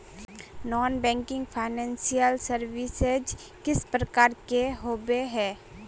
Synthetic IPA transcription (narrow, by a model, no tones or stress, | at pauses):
nɔːnbɛ̃ːŋkɪ̃ŋɡpʰaːɪnɛ̃ːnsijəlsəɾʋised͡ʒ | kɪspɾəkaːɾkeɦoːbeɦɛː